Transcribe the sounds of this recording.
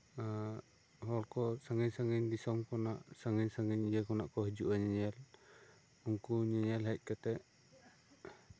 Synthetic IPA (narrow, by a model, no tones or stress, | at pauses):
a | hɔlkɔsaŋɛɲsaŋiɲd̪isɔmkɔnaʔsaŋiɲsaŋiɲid͡ʒɛkɔnaʔkɔɦid͡ʒuʔaɲaɲɛl | muŋkuɲaɲɛlɦaic̪̚ˀkat̪ɛʔ